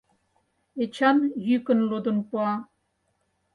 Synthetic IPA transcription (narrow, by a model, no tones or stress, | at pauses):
et͡ɕʰɑnjykə̆nlod̪onpuɑ